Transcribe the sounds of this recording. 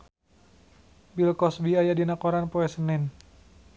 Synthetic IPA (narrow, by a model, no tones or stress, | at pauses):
bilkɔsbiajadinakoɾanpoɛsənɛn